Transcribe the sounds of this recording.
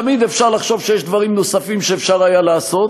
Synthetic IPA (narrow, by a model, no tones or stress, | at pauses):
mid̪efʃaʁlaχʃo̞vʃejeʃd̪vaʁimno̞safimʃeːfʃaʁajalaːso̞t̪